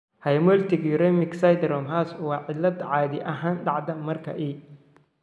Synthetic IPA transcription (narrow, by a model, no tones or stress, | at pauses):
hɐjmɔlt̪ʰɪɡiːɾɛmɪksajd̪ɾɔmɦaːswɑːʕɪlːɐd̪ʕɑːðɪʔɐɦaːnɖɑʕd̪ɐmɐrkʰɐ̰ʔiː